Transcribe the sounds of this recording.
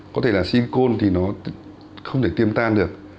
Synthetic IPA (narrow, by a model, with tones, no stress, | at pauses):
kɔ˨˦t̪ʰe˧˩laː˨˩si˧ko˧nt̪ʰi˨˩nɔ˨˦ | xə˧wŋ͡mt̪ʰe˧˩t̪i˧əmt̪aː˧nɗɨ˨˩ək̚